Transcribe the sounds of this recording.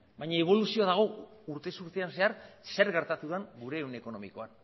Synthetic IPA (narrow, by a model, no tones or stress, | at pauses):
bajɲaeβ̞o̞lusio̞aðaɣ̞o̞uɾt̪e̞suɾt̪eanse̞aɾse̞ɾɣe̞ɾt̪at̪uðeŋɡuɾe̞ːwne̞ko̞no̞mḭko̞an